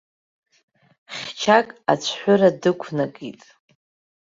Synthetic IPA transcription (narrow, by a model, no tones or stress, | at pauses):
χʲt͡ʃʰakʼa̰t͡ʃʷʰħʷʊradɨkʷʰnaɡitʼ